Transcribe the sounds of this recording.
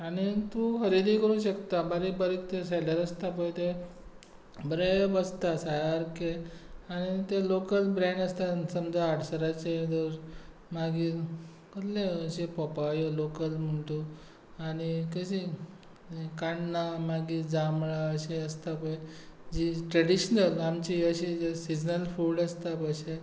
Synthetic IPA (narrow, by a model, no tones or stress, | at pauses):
anit̪uxəɾid̪iːkəɾũːɕəkt̪abaɾibəɾiːkt̪eseləɾəst̪ap̬əjt̪e | bɾebəst̪asajaɾkeañit̪elokəlbɾeɳɖəst̪asəmd͡zaaɽsəɾat͡ɕed̪oɾ | maɡiː | kəd̪leəɕepɔpajolokəlm̤əɳt̪o | añikəɕi | kaɳːamaɡiːd͡zamɭaəɕeəst̪apəjd͡ʑiʈɾəɽiɕnəlamt͡ɕiəɕiesid͡ʑnəlfulɖəst̪apəjɕe